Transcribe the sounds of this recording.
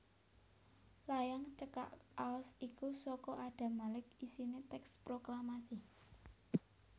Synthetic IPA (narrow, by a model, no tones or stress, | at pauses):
lajaŋt͡ʃəka̰ʔaɔsikusɔkɔʔaɖ̥a̤malɪkisinet̪ɛkspɾoklamasi